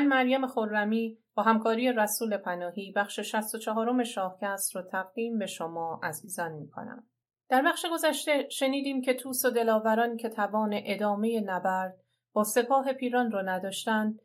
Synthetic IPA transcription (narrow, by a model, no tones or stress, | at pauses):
mænmæɾjæme̞xoɾːæmiːb̥ɒːɦæmkʰɒːɾije̞ɾæsuːle̞pʰænɒːhiːbæχʃeʃæst̪ot͡ʃʰɒɦɒːɾo̞me̞ʃɒːhcʰæst̪ɾot̪ʰæɣd̪iːmbe̞ʃomɒːʔæziːzɒnmiːkʰo̰næ̰m | d̪̥æɾbæχʃe̞ɡo̞zæʃt̪e̞ʃe̞niːd̪iːmcʰe̞t̪ʰuːsod̪e̞lɒːvæɾɒːncʰe̞t̪ʰævɒːne̞ʔed̪ɒːme̞je̞næbæɾd̪̥̚ | b̥ɒːse̞pʰɒːɦe̞pʰiːɾɒːnrɒːnæd̪ɒːʃt̪ænd̪̚